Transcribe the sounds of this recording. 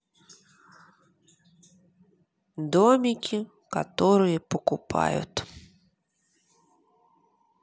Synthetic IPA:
d̪ɔmʲɪkʲi | ka̰t̪ɔɾɨjɛpɔkʊpʰa̰jʊ̰t̪

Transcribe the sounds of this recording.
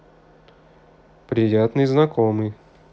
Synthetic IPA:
pɾʲɪjat̪nɨjznɐkomɨj

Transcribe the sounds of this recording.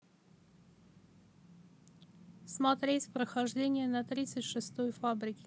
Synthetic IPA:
smɐt̪ɾʲetʲpɾəxɐʐdʲenʲɪjənɐt̪ɾʲit̪sɨtʲʂɨst̪ojfabɾʲɪkʲɪ̥

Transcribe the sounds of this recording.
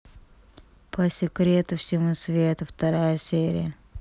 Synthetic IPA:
pəsʲɪkɾʲet̪ʊfsʲɪmusvʲet̪ʊft̪ɐɾajəsʲeɾʲɪ̰jə

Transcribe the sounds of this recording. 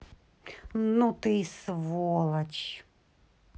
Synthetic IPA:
nut̪ɪjsʋɔlˠɐt͡ɕ

